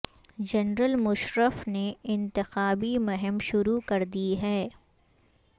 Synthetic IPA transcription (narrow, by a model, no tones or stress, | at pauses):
d͡ʒɐnɾəlmʊʃɾəfneɪ̃nt̪ɪxaːbimʊɦɛmʃʊɾukɐɾd̪iɦɛː